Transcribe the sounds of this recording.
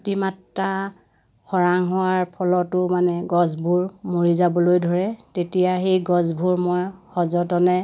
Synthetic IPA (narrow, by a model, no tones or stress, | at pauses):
timatːa | xɔɹaŋɦɔwaɹpʰɔlɔtʊmanɛɡɔzbʱuɹmoɹizabɔlojdʱɔɹɛtetijaxejɡɔzbʱuɹmɔjxɔzɔtɔnɛ